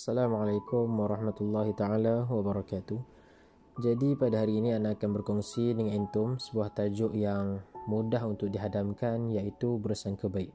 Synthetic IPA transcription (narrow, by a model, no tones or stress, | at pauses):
asalamalajkʊmwaɾˤɑhmat̪ulːɑɦit̪aalawabaɾɑkat̪uh | d͡ʒadipadaɦaɾiːniandaːkanbərkɔŋsidəŋanint̪ʊmsə̥buaht̪ad͡ʒʊʔjaŋmudaɦunt̪ʊk̚diɦadamkanjaʔit̪ubəɾəsaŋkəbaɪk̚